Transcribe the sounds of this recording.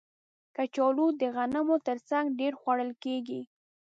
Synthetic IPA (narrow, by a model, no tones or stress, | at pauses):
kat͡ʃɑlud̪əɣanamot̪əɾt͡saŋɡɖeɾxwaɽəlkeɡi